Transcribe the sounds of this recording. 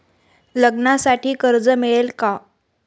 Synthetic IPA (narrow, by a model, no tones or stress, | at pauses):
ləɡnasaʈʰiːkəɾd͡zəmiɭelka